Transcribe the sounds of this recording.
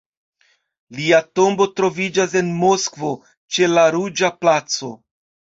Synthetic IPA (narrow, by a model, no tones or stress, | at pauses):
liato̞mbo̞tɾo̞vid͡ʒas̬e̞nmo̞skvo̞ | t͡ʃe̞laɾud͡ʒaplat͡so̞